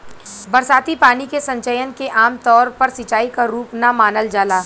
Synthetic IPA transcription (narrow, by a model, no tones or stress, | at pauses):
bɐɾsaːt̪ipaːnikesɐ̃ɲt͡ʃəjənkeʔaːmt̪ɔːɾpɐɾsɪt͡ʃaːikaɾuːpnamaːnəld͡ʒaːlaː